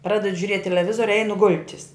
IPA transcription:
ˈprɑːdʲɛdʊ ʒʲʊˈrʲiɛtʲ tʲɛlʲɛˈʋʲɪzoːrʲʊ ˈɛɪnʊ ˈɡʊlʲtʲɪs

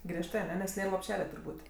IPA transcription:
ˈɡrʲiɛʃtɜ ɐˈnʲɛ nʲɛs ˈnʲeːr lˠoːpʲˈʃʲæːlʲɛ tʊrˈbuːtʲ

